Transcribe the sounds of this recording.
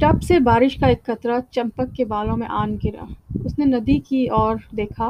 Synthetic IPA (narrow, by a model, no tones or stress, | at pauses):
ʈɐpsebaːɾɪʃkaeːkxɐt̪ɾat͡ʃɐ̃mpəkːebaːlõmḛ̃ʔaːnɡɪɾa̰ːʊsnenɐd̪ikiɔːɾd̪eːkʰa